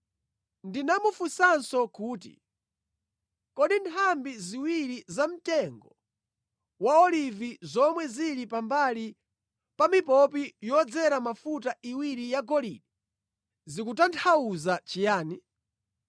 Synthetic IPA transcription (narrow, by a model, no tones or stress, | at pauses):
ndinamufusansɔkuːtḭ | kɔɗintʰambiziwiɾizam̩tɛŋɡɔ | waɔlivizɔmwɛziɾipambali | pamipɔp̬ijɔd͡zɛɾamafutaʔiwiɾijaɡɔlḭɗi | zikutantʰauzat͡ʃijaːni